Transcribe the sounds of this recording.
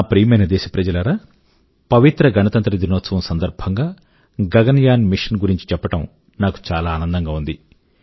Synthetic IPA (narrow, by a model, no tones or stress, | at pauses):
pɾiːmɐjnɐd̪ɛːʃɐpɾɐd͡ʒɐlɐɾaː | pɐʋit̪ɾɐɡɐnɐt̪ɐnt̪ɾɐd̪inoːt̪sɐʋɐmsɐnd̪ɐɾbʱɐŋɡaː | ɡɐɡɐnjaːnmiʂɐnɡuɾiɲt͡ʃi̥t͡ʃɛpːɐʈɐm | naːku̥t͡ʃaːlaːnɐnd̪ɐŋɡaːund̪i